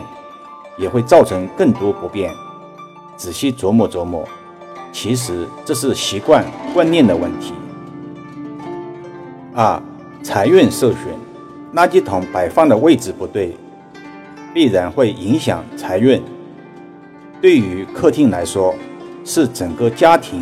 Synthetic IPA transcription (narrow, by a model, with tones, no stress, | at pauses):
ŋ | jɛ˨˩xwe˥˧ɪt͡sɑ˥˩ʊʈ͡ʂʰɤ˧˥ŋkɤ˥˩ŋt̪wɔ˥pu˧˥pjɛ˥˩n | ʈ͡ʂɻ̩˨˩ɕi˥t͡swɔ˧˥mɔ˥˩t͡swɔ˧˥mɔ̰˥˩ | t͡ɕʰi˧˥ʂ̬ɻ̩˧˥ʈ͡ʂɤ˥˧ʂ̬ɻ̩˥˩ɕi˧˥kwa˥˧nkwa˥˧nnjɛ˥˩nd̪ə˩wə˥˩nt̪ʰḭ˧˥ | a˥˩ | t͡sʰa˧˥ɪɥɛ˥˧nʂɤ˥˩ʊɕɥɛ̰˨˩n | na˥˧t͡ɕi˥t̪ʰʊ˧˥ŋpa˨˩ɪfɑ˥˩ŋd̪ə˩˨we˥˩ɪʈ͡ʂɻ̩˧˩pu˧˥t̪we˥˩ɪ | pi˥˩ɻa˧˥nxwe˥˩ɪʔi˧˥ŋɕjɑ̰˨˩ŋt͡sʰa˧˥ɪɥɛ˥˩n | t̪we˥˩ɪy˧˥kʰɤ˥˧t̪ʰi˥˩ŋla˧˥ɪʂwɔ˥ʂɻ̩˥˩ʈ͡ʂə˨˩ŋkə˥˧t͡ɕja˥t̪ʰi˧˥ŋ